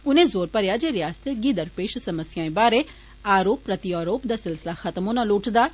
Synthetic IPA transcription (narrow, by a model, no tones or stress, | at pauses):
ʊnẽzoːɾpɐɾjad͡ʒeɾɪjaːst̪ʰeɡiːd̪əɾpeːʃsɐməsjaːẽbaːɾe | aːɾoːpːɾɐt̪ijaːɾoːpd̪asɪlsɪlaxɐt̪əmoːnaloːʈd̪aː